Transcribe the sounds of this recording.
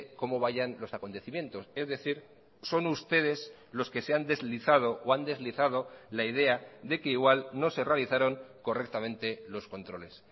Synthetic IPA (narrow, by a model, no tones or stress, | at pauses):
ko̞mo̞β̞aʝanlo̞sakont̪e̞θimjẽ̞nt̪o̞se̞zðe̞θiɾ | so̞nust̪e̞ð̞e̞s | lo̞ske̞se̞and̪e̞zliθað̞o̞ʔoand̪e̞zliθað̞o̞laið̞e̞aðe̞ke̞iɣ̞walno̞se̞realiθaɾo̞ŋko̞re̞k̚t̪amẽ̞nt̪e̞lo̞sko̞nt̪ɾo̞le̞s